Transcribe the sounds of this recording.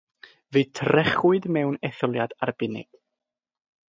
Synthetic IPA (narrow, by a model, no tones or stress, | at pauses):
vɨːtʰrɛχʊɨdmɛwnɛθɔlˠjadarbɪnɪ̰ɡ̥